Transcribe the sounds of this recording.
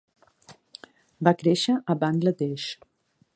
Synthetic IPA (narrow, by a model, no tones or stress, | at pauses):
bakɾeʃəʔəβanlət̪eʃ